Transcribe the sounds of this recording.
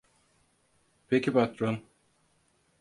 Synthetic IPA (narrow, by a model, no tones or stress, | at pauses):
pʰekʰipat̪ɾon